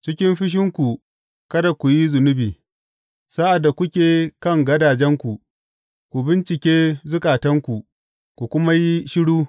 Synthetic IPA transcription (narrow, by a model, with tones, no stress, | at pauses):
t͡ʃɪ˦kʲɪ˦mɸɪ˦ʃ̬ɪ˦ŋkʷu˨ | kɐ˦da˨kʷu˨ji˦zʊ˨nʊ˦biː˨ | sa˦ʔa˨dːa˨kʷʊ˦kʲeː˨kɐ˦˨ŋɡɐ˦daː˨d͡ʒɛ˦ŋkʷu˨ | kʷu˨bɪ˦nt͡ʃɪ˨kʲeː˦zʊ˦kaː˨tɐ˦ŋkʷu˨ | kʷu˨kʷʊ˦ma˦ji˦ʃɪ˦ɽuː˦